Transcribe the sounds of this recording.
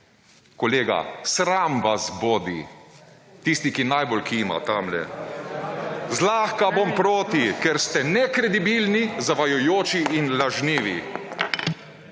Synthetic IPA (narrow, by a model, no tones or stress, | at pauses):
koleːɡa̰sɾaːmʋazboːd̪ḭ | t̪ist̪ikinajbolkima̰t̪amlɛ̰ | zlaːxkabompɾoːt̪ikɛɾst̪ɛnɛkɾɛd̪ibiːlnizaʋajɔjoːt͡ʃiʔinlaʒniːʋḭ